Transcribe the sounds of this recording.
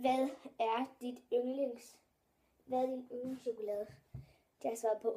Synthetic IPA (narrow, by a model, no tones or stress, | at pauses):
ʋæðˠæɐd̥id̥øŋleŋs | ʋæðˠd̥inuðˠn̩ɕo̝kulɛːð̩ˠ | d̥ɑsʋɑ̈ːðˠpʰɒ̽